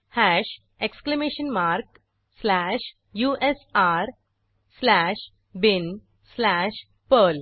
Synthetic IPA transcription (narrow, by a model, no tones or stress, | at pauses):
hæʃ | eksklemeːʃənmaɾk | slæʃ | juʔesaɾ | slæʃ | bɪn | slæʃ | pəl